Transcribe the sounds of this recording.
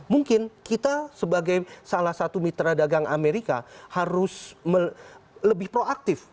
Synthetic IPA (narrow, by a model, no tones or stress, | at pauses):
muŋkɪnkit̪asəbaɡajsalahsat̪umit̪ɾadaɡaŋʔa̰meɾikahaɾʊsmələbɪhpɾoak̚t̪ɪf